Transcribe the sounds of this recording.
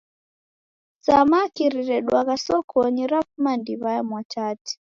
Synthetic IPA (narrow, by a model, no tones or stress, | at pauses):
samakiɾiɾɛɗwaɣasɔkʰɔɲiɾapmandiβajamwat͡ʃati̥